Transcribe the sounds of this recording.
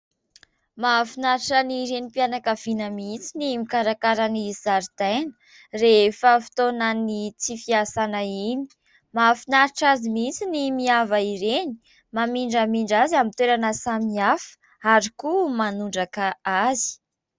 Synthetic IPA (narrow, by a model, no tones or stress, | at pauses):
mafinaɾiʈ͡ʂəniɾenipianakəv̥inəmit͡sinimikaɾakaɾənizaɾd̪ajnə | refəfi̥t̪onanit͡sifiasanaini̥ | mafinaɾiʈ͡ʂazimit͡sinimiavaiɾeni̥ | mamiɳɖ͡ʐəmiɳɖ͡ʐaziamint̪weɾanəsamiafə̥ | aɾikumanuɳɖ͡ʐakaazi̥